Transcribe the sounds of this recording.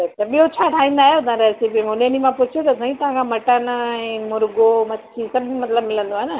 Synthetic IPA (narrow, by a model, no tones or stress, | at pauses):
t̪ɐt̪ɐɓiɦot͡ɕʰaːʈʰaːĩːnd̪aːɦjot̪ãɾɛːsipimonenimãpʊt͡ɕʰjot̪ɐsãɦĩt̪ɐʋ̤ãkʰãmɐʈənɛ̃ːmʊɾɡomɐt͡ɕʰisɐbɪd͡ʑĩmɐt̪ləbmɪlə̃nd̪oaɦenɐ